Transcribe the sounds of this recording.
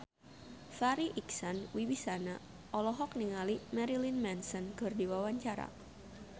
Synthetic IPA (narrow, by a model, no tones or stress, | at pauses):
faɾiʔiksanwiwisana | ʔɔlɔɦɔk̚niŋalimɛɾilinmɛnsənkɨrdiwawaɲt͡ʃaɾa̰